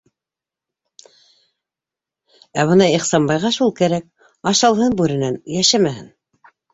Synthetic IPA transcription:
æβɤ̆nɑiχsɑmbɑjʁɑʃulˠkæɾæk̚ | ɑʃɑlˠhɤnbʉɾɘ̆nænjæʃæmæhɘn

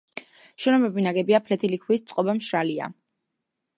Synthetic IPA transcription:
ʃɛnɔbɛbinaɡɛbiapʰlɛt̪ʰilikʰwist̪sʼqʼɔbamʃɾalia̰

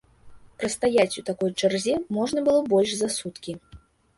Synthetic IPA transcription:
pɾɐst̪ajat͡sʲut̪akɔjt͡ʂarzʲɛmɔʐnɐbɨlˠɔbɔlʲʂzasut̪kʲi

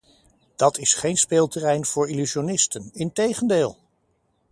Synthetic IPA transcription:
d̥ɑtɪsχejnspeːlˠtərɛjnv̥ʊːɹilyʃionɪstənɪntejχəndeːlˠ

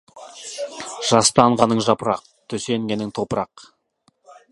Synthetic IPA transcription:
ʒ̥ɑst̪ɑɴʁɑnəɴʒɑpəɾɑq̚ | t̪ʰɵse̞ŋɡʲe̞nɪŋt̪ʰo̞pəɾɑq

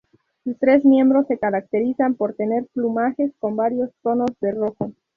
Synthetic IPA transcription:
sust̪ɾe̞zmjẽ̞mbɾo̞sːe̞kaɾak̚t̪e̞ɾisampo̞ɾt̪e̞ne̞ɾplumaxe̞sko̞mbaɾjo̞st̪o̞no̞zðe̞ro̞xo

